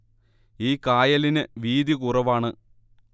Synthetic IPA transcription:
iːkaːjɐlinɨʋiːd̪ikurɐʋaːɳɨ

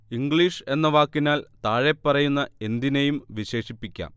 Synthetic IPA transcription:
iŋɡɭiːʂe̞nːɐʋaːkːinaːlt̪aːɻepːɐrɐjunːɐe̞nd̪inejumʋiɕe̞ːʂipːikʲːa̰ːm

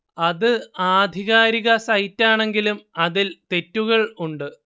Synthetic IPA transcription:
ɐðɨaːd̪ʱiɣaːɾiɣɐsɐjtːaːɳe̞ŋɡilumɐðilt̪e̞tːuɣɐɭuɳɖɨ

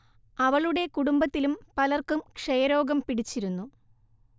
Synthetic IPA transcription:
ɐʋɐɭuɽe̞kuɽumbɐt̪ːilumpɐlɐrkumkʂɐjɐɾo̞ːɡɐmpiɽit͡ɕːiɾunːu

